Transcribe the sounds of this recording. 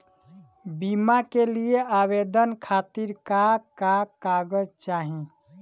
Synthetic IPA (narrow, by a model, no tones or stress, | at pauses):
bimakelieabed̪ənkʰat̪iɾkakakaɡəd͡ʒt͡ʃaɦĩ